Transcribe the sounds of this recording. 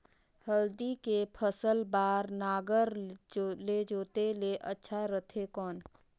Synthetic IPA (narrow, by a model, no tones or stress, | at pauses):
həld̪ikepʰəsəlbaːɾnaːɡəɾ | led͡ʒoːt̪eleʔətːʃʰaɾət̪ʰekɔːn